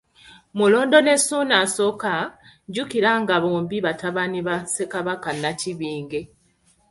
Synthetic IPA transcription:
mulo̞ːndo̞ne̞suːnaso̞ka | ɟukiɾaŋɡaβoːmbiβataβaniβase̞kaβakanːaciβiːŋɡe̞

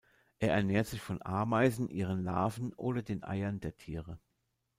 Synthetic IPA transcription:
ʔeːɐʔɛɐnɛːɐtz̥ɪçfɔnʔa̰ɐmaɪzn̩ʔiːʁ̞ənla̰ːvn̩ʔoːdɐdeːnʔa̰ɪɐndeːɐtʰiːʁə

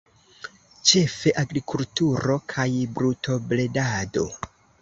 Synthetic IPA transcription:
t͡ʃe̞fe̞ʔaɡɾikultuɾo̞kʰajbɾutʰo̞ble̞dado̞

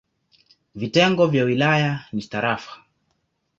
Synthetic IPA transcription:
vitɛŋɡɔvjawilajanist̪aɾafḁ

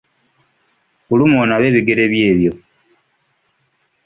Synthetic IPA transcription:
kulumoːnaβe̞βiɡe̞ɾe̞βje̞ːβjo̞

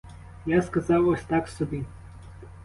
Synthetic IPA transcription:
jaskɐzɑwɐsʲt̪aksɔbʲi

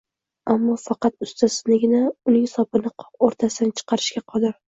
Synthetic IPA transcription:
amːɒfɑqɑt̪ʊst̪asɪznɪɡʲɪnaʊnɪŋsɒpɪnɪqʰɒoɾt̪ʰasɪd̪ant͡ʃʰɨ̥qʰɑɾɪʃkʲaqʰɒd̪ɪɾ

